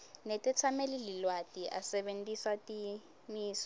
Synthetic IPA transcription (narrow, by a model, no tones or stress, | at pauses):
nɛtʼɛt͡sʰamelililwatʼiʔa̰sɛɓentʼiswatʼi | miːsɔ